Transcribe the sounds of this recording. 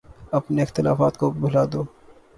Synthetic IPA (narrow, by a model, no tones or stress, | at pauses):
ɐpneɪxt̪ɪla̰ːfaːt̪kobʱʊlaːd̪oː